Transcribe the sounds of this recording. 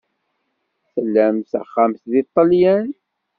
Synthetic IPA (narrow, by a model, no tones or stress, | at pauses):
səlːæmsə̰χæmθðit̪ˤːɑljæn